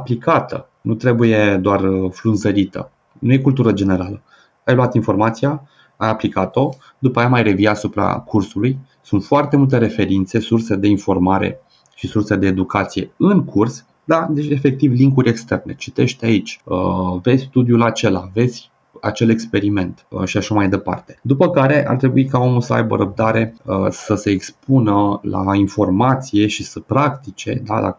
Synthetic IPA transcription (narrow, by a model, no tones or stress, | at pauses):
aplikʰat̪ʰə̰ | nut̪ɾe̞buje̞d̪oarəflunzəɾit̪ə̰ | nuje̞kult̪uɾəd͡ʒe̞ne̞ɾalə | ajloat̪info̞rmat̪sija | ajaplikat̪o̞ | d̪upajamajre̞viasupɾa̰kʰursuluj | sunt̪foart̪e̞mult̪e̞ɾe̞fe̞ɾint̪se̞surse̞d̪e̞info̞rmaɾḛ | ʃisurse̞d̪e̞ːd̪ukat̪sije̞̰ɨnkʰurs | d̪ad̪et͡ʃe̞fe̞k̚t̪ivliŋkuɾʲe̞kst̪e̞rne̞̰t͡ʃi̥t̪e̞ʃt̪ait͡ʃʲəvesʲst̪ud̪julat͡ʃe̞lave̞d̪zsʲ | a̰t͡ʃe̞le̞kspe̞ɾime̞nt̪əʃiaʃamajd̪e̞pa̰rt̪e̞̥d̪upəkaɾe̞ʔa̰rt̪ɾe̞buikao̞mulsəa̰jbə̰ɾəb̚d̪aɾe̞səse̞ːkspunəla̰info̞rmat̪sije̞ʃisəpɾakt̪it͡ʃe̞̰d̪a̰lʔa̰